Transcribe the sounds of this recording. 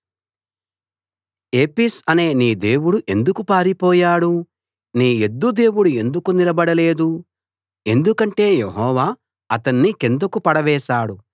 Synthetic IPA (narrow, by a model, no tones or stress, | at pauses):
eːpisɐne̞ːniːd̪eːwuɽuʔe̞nd̪ukupaːɾipɔːjaːɽu | niːed̪ːud̪e̞ːwuɽue̞nd̪ukunilɐbɐɽɐle̞ːd̪u | e̞nd̪ukɐɳʈe̞ːjeɦɔːʋaː | ɐt̪ɐnːikend̪ɐkupɐɽɐʋɛːʃaːɽu